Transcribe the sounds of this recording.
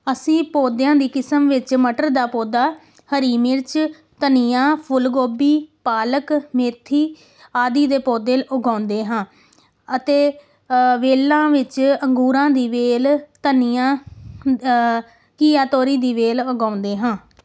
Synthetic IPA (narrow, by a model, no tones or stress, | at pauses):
əsĩːpoːd̪jãːd̪iːkɪsəmʋɪt͡ʃməʈəɾd̪aːpoːd̪aː | həɾiːmɪɾt͡ʃ | t̪ənɪjãːpʰʊlɡoːbiːpaːləkmeːt̪ʰːiː | aːd̪iːd̪eːpoːd̪eːlʊɡãːʊnd̪eːɦãː | ət̪eː | ʋeːlãːʋɪt͡ʃəŋɡuːɾãːd̪iːʋeːlt̪ənijãː | kiːaːt̪oːɾiːd̪iːʋeːlʊɡaːʊ̃nd̪eːɦãː